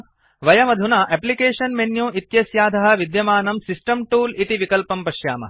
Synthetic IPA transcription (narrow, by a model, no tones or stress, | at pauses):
ʋɐjɐmɐd̪ʱunaʔeplikeːʂɐnmenjũːʔit̪jɐsjaːd̪ʱɐɦɐ̆ʋid̪jɐmaːnɐmsisʈɐmʈuːlit̪iʋikɐlpɐmpɐʃjaːmɐ̰